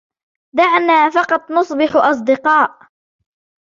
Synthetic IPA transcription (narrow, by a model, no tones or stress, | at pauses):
d̪aʕnaːfɑqɑt̪ˤnʊsˤbɪħʔɑs̬ˤd̪ɪqɑːʔ